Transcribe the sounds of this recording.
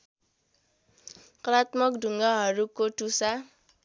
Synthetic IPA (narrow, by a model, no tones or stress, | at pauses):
kɾat̪mɔkduŋaɦaɾukotusa